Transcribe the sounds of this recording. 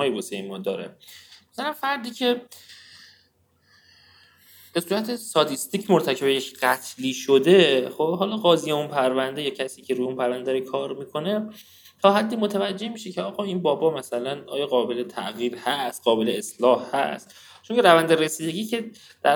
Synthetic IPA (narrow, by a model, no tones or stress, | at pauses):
ɒːjebosemɒːd̪ɒːɾḛmæsælænfæɾd̪iːcʰe̞ | b̥esuːɾæt̪ʰest̪ɒt̪ʰist̪iːcʰmoɾt̪ʰæcʰe̞bejecɢæt̪ʰliːʃod̪e̞χobɦɒːlɒːɣɒːzijeunpʰæɾvænd̪e̞jɒːcʰæsiːcʰeɾujeunpʰæɾvænd̪æɾikʰɒːɾmiːkʰo̞ne̞ | t̪ʰɒːɦæd̪ːiːmo̞t̪ʰævæd͡ʒːe̞hmiːʃe̞cʰeɒːɣɒːinbɒːbɒːmæsælænɒ̰ːjɒːɣɒːbelet̪ʰæ̰ʔɣiːɾhæst̪̚ɢɒːbeleeslɒːhhæ̰st̪ | t͡ʃoŋcʰeɾævænd̪eɾe̞siːd̪eɟiːcʰe̞ | d̪̥æ